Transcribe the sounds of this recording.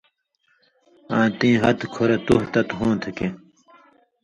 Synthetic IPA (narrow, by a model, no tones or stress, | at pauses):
ãːt̪ĩːɦɐt̪kʰoɾet̪uht̪ɐt̪ɦõːt̪ʰuke